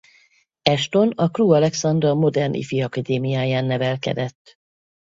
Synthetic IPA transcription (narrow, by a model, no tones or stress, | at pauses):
ɛʃt̪o̞nɒkruːɒlɛksɒnd̪rɒmo̞d̪ɛrnʔḭfiɒkad̪eːmijaːjaːnːɛvɛlkɛ̰d̪ɛt̪ː